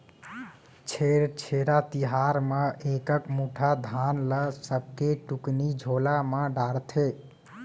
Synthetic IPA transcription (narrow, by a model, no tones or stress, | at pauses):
t͡ʃʰeɾt͡ʃʰeɾat̪iɦaɾmeʔekəkmuʈʰad̪ʱanləsəb̚ʱkeʈuknid͡ʒʱolamə̃ɖaɾt̪ʰe